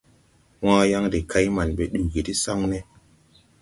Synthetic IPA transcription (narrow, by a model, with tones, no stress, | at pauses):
wãː˦ja˦ŋde˨ka˦jma˨nɓe˨ɗu˨ɡi˨ti˦sa˦ŋne˦